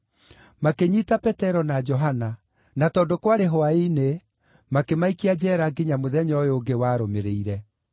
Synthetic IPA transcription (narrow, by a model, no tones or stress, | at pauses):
makeɲitapɛtɛɾɔnad͡ʒɔɦana | natɔːdokwaɾeɦɔaine | makemaikiad͡ʑɛːɾaɡiɲamoðɛɲɔjoɡewaːɾomeɾeiɾɛ